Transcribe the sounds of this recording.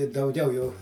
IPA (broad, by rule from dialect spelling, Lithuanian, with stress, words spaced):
ɪ dɐʊˈɡʲɛʊ jɛʊ